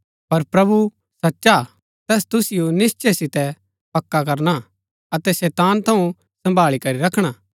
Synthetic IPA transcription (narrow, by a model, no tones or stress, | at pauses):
pɐɾpɾɐbu | sɐtːʃa | t̪ɛːst̪ʊsɪjonɪst͡ʃɛsɪt̪ɛ | pɐkːakɐɾna | ɐt̪ɛsɛːt̪aːnt̪ʰɐũ | sɐ̃mbʱaːɭikɐɾiɾɐkʰɽ̃a